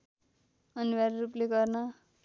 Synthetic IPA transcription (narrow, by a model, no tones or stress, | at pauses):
ʌniwaɾrupleɡʌrnʌ